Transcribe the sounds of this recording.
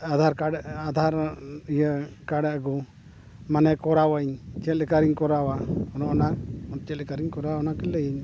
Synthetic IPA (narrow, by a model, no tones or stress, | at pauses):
ad̪ʱaɾkaɽad̪ʱaɾijəkaɽɛɡu | manɛkɔɾawaɲt͡ʃɛt̪lɛkaɾiɲkɔɾawaɔnɔɔnaɔnt͡ʃɛt̪lɛkaɾiɲkɔɾawnakɛlːɛjiɲ